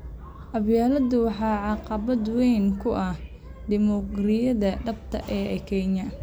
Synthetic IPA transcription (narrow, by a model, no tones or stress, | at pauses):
ʔɐbjaːlɐd̪ʊwɑħɑːʕɑqɑβɐd̪wɛjnkʰʊʔɐh | ɖ̪ɪmɔɡrɪjɐðɐɖɐbt̪ʰɐ̰ʔɛːʔɛkʰɛɲɐ